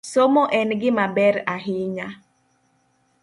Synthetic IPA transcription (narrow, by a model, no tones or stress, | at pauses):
somoʔɛnɡɪmabɛɾaɦɪɲa